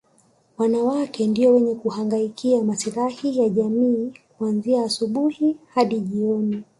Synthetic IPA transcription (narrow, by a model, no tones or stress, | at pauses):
wanawakɛndiɔwɛɲɛkuhaŋɡaikiamasiɾahijaʄamiːkuanziaːsuɓuhihaɗiʄiɔni